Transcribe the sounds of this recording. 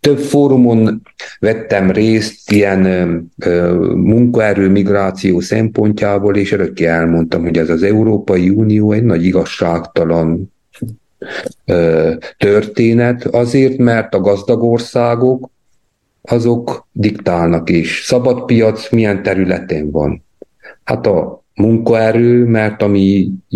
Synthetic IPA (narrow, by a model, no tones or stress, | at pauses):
t̪øbfoːɾumo̞n | vɛt̪ːɛmreːst̪ijɛn | muŋkɒɛɾøːmiɡraːt̪sijoːsɛmpo̞ɲcaːboːleːʃøɾøkːeɛlmo̞nt̪ɒmɦo̞ɟɛzɒzɛuɾoːpɒjiuːnijoːɛɟnɒɟiɡɒʃːaːkt̪ɒlɒn | t̪ørt̪eːnɛt̪ɒzeːrt̪mɛrt̪ɒɡɒzd̪ɒɡo̞rsaːɡo̞k | ɒzo̞kd̪ikt̪aːlnɒkeːʃsɒbɒt̪pijɒt̪smijɛnt̪ɛɾylɛt̪ɛɱvɒ̰n | hat̪ɒ | muŋkɒɛɾøːmɛrt̪ɒmi